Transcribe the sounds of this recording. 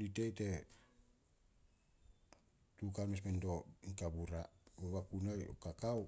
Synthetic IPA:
litejte | tukanmes̬mendoikabuɾabaβakunajo̰kakaw

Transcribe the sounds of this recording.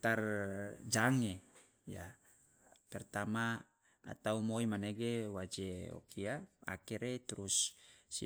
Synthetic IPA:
t̪ard͡ʒaŋe | ja̰ | pɛrt̪ama̰ː | t̪aumoimaneɡewad͡ʒeo̰kʰiaa̰kiɾet̪uɾusːi

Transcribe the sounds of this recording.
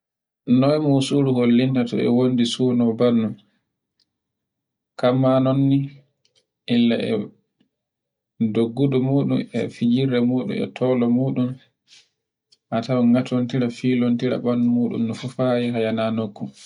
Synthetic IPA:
nɔjmusuɾuholːintatɔ̰ɛ̰wondisuːnɔbanːum | kamːanonːi | ʔilːaɛ̰ | doɡːudɔmuːɗumɛ̰fid͡ʒiɾɛmuːɗṵmɛ̰tʰɔlɔmuːɗum | ʔatawŋɡatʰontiɾafiːlontiɾa̰banːumuːɗṵmnɔfufajɛɦajananokːu

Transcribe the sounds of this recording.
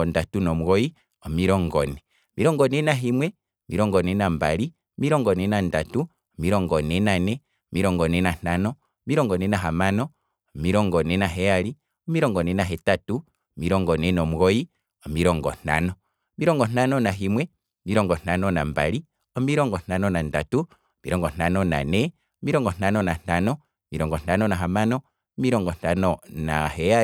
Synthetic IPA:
ɔndatunɔmuɣɔi | ɔmiɾɔŋɡɔnɛ | miɾɔŋɡɔnɛnaɦimwɛ | miɾɔŋɡɔnɛnamba̰li | miɾɔŋɡɔnɛnanda̰tu | miɾɔŋɡɔnɛnanɛ | omiɾɔŋɡɔnɛnan̥anɔ | miɾɔŋɡɔnɛnaɦamanɔː | miɾɔŋɡɔnɛnaɦɛjali | ɔmiɾɔŋɡɔnɛnaɦɛtatu | miɾɔŋɡɔnenomuɣoji | omiɾɔŋɡɔ̰n̥a̰nɔ | miɾɔŋɡɔn̥anonaɦimwe | miɾɔŋɡɔn̥anɔnamba̰li | omiɾɔŋɡɔn̥anɔnandatu | mḭɾɔŋɡɔn̥anona̰ne | omiɾɔŋɡɔn̥anɔnan̥anɔ | miɾɔŋɡɔn̥anɔnaɦamanɔ | miɾɔŋɡɔn̥anonaheja

